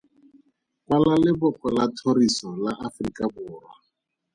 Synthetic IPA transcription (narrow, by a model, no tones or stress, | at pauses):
kwalalɪbʊkɔlatʰorisɔlaʔafrikʼabʊːrwa